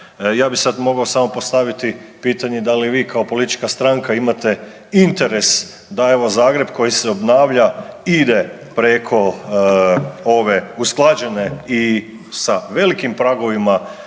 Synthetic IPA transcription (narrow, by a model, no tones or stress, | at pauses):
jaːbisad̪mo̞ɡaosamo̞post̪aʋit̪ipiːt̪aɲed̪aliʋiːkʰaopo̞lit̪i̥t͡ʃkast̪ɾaŋkaimat̪e̞ | int̪e̞ɾe̞s | d̪aeʋozaːɡɾe̞bko̞jiseo̞bnaːʋʎaid̪e̞ | pɾekʰo̞ | o̞ʋe̞usklˠad͡ʑe̞ne̞i | saʋe̞likimpɾaɡo̞ʋima